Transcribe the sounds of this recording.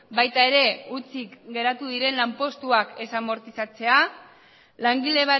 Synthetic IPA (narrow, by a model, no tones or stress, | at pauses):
bajt̪ae̞ɾe̞ut͡sikɡe̞ɾat̪uðiɾe̞nlampo̞st̪uake̞samo̞ɾt̪isat͡se̞a | laŋɡile̞β̞a